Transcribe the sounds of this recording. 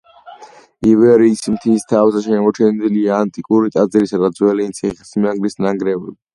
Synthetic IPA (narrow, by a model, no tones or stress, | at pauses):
ivɛɾismt̪ʰist̪ʰavsaʃɛmɔt͡ʃʰɛnd̪iliaːnt̪ʼikʼuɾit̪ʼad̪ziɾisad̪ad̪zwɛlinsʰiχisimaŋɡlisnaŋɡɾɛvɛbi